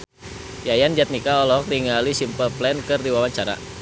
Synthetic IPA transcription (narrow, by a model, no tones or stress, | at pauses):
jajand͡ʒat̪̚nikaɔlɔɦɔk̚diŋalisimpəlplɛnkɨrdiwawaɲt͡ʃaɾa̰